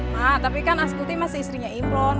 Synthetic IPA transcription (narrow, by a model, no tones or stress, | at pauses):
mat̪apikanaskut̪imasiisɾiɲaimlɔn